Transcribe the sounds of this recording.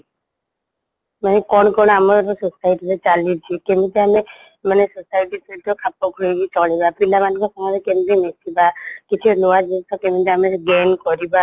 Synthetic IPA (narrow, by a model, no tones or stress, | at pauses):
manekɔɽ̃kɔɽ̃oamɔɾsɔsajʈit̪et͡ʃalit͡ʃʰikemit̪eame | manesɔsajʈit̪it̪ɔkʰapɔkɾiɡit͡ʃɔɭibapilamanikɔsɔmɔd̪ekend̪ɾenet̪ʰibakit͡ʃʰuload͡ʒit̪ʰɔkemit̪eameɾɡenkɔɾiba